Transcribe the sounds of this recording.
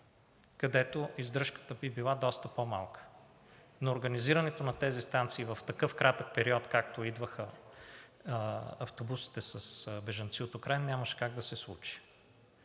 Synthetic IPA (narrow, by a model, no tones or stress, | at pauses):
kɐd̪ɛt̪oizd̪ɾɤʃkə̥t̪əbibilˠad̪ɔst̪əpoma̰lˠkə̥ | noːɾɡəniziɾɐnɛt̪onɐt̪ɛzist̪ant̪siːvɐft̪ɐkɤfkɾʔat̪ək̚pɛɾiɔt̪kak̚t̪oid̪vəxə | ɐft̪obusi̥t̪ɛsəsbɛʒɐnt̪siot̪okɾaɛnnʲaməʃɛ̥kaɡd̪ɐsɛslˠut͡ʃi̥